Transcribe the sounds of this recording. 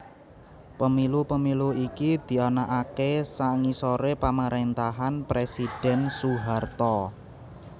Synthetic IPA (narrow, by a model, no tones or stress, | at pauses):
pəmilupəmiluikid̪̥i̤anaʔakesaŋisoɾepaməɾʔent̪aɦanpɾesid̥ɛ̤nsuɦart̪ɔ